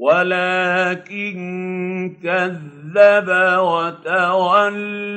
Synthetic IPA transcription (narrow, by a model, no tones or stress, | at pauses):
walaːkɪn | kaðːabawat̪aɾal